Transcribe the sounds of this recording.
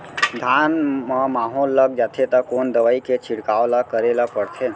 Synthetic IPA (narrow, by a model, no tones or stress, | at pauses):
d̪ʱanmamaɦolːəɡ̚d͡ʒat̪ʰet̪akond̪əʋaikʰet͡ʃʰiɽkaʋlakəɾelapəɽt̪ʰe